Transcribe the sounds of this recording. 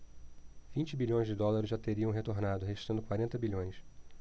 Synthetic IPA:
v̥ĩnt͡ʃɪbiʎõj̃zd͡ʒɪd̪ɔlaɾʊzʒat̪eɾiɐ̃w̃ɦet̪oɾnad̪ʊɦeʒi̥t̪ɐ̃nd̪ʊkwaɾẽnt̪ɐbiʎõj̃s

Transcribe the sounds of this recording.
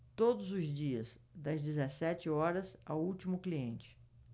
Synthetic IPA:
t̪od̪ʊzʊzd͡ʒiɐz | d̪ɐzd͡ʒɪzesɛt͡ʃɪɔɾɐzawuwt͡ʃimʊkliẽnt͡ʃɪ̥

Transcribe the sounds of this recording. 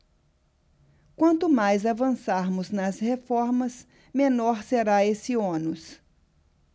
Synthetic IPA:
kwɐ̃nt̪ʊmajzavɐ̃saɾmʊznɐzhefɔɾmɐs | mẽnɔɾseɾaesɪõnʊs

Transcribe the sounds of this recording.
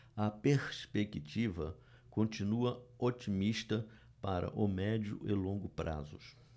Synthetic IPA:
ɐpeɾspekit͡ʃivɐ | kõnt͡ʃinuɐot͡ʃimiʃt̪ɐ | paɾɐ̰ʔʊmɛd͡ʒʊ̰ɪlõŋɡʊpɾa̰zʊ

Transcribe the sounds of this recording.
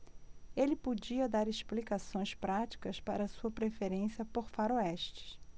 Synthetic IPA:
elɪpod͡ʒiɐd̪aɾeʃplikasõj̃spɾat͡ʃi̥kɐspaɾɐːsuɐpɾefeɾẽsiɐpoɾfaɾoɛʃt͡ʃɪ̥s

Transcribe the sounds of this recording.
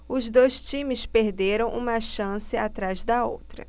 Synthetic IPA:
ʊzd̪ojst͡ʃĩmɪspeɾd̪eɾɐ̃w̃ʔṵ̃mɐʃɐ̃sɪat̪ɾazd̪ɐo̰wt̪ɾɐ̰

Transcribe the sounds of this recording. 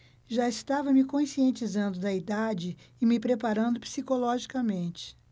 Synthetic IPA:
ʒaɪst̪avɐmɪkõsiẽnt͡ʃizɐ̃nd̪ʊd̪ɐid̪ad͡ʒɪ | ɪmɪpɾepaɾɐ̃nd̪ʊpi̥sikolɔʒikɐmẽnt͡ʃɪ̥

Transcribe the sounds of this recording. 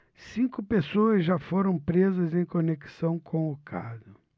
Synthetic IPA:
sĩkʊpesoɐzʒafoɾɐ̃w̃pɾezɐzẽj̃koneksɐ̃w̃kʰõʊkʰa̰zʊ

